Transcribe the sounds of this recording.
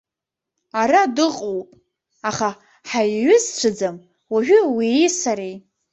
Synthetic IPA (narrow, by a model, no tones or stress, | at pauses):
aɾadɨqʼowpʼ | aχa | ħajɥʏzʈ͡ʂʷʰɨd͡zam | waʒᶣʷʏwijsaɾej